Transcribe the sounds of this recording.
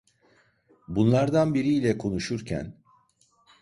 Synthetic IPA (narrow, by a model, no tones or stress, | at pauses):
bunlˠaɾd̪anbiɾiːlʲɛkʰo̞nuʃuɾcʰæ̰n